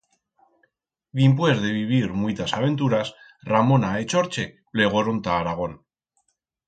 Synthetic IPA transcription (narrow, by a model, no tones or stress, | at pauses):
ðimp̬wezðeβiβ̞iɾmwit̪asaβ̞e̞nt̪uɾas | ramo̞naet͡ʃo̞ɾt͡ʃe̞pleɣ̞o̞ɾont̪aːɾaɣ̞o̞n